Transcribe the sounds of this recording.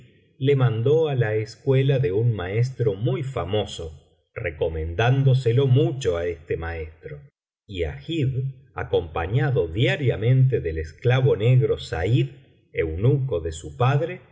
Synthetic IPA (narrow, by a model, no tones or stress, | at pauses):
le̞mãnd̪o̞alaeskwe̞laðe̞unmae̞st̪ɾo̞mujfamo̞so̞ | rḛko̞mẽ̞nd̪and̪o̞s̬elo̞mut͡ʃo̞aest̪emaest̪ɾo | ia̰xið | a̰ko̞mpaɲaðo̞ðjaɾjamẽ̞nt̪̬eðelesklaβo̞neɣɾo̞sa̰ið | ewnukoðe̞supaðɾe̞